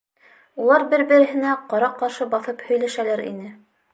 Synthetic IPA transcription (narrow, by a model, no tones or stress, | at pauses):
ulˠɑɾbɘɾbɘ̆ɾɘ̆ɦɘ̆næqɑɾɑqɑɾʃɤbɑθɤphɵ̆jlæʃælæɾḭnɘ